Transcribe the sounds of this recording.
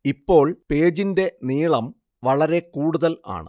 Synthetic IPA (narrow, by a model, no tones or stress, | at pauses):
ipːo̞ːɭpe̞ːd͡ʑinde̞niːɭɐm | ʋɐɭɐɾe̞kuːɽuðɐla̰ːɳɨ̰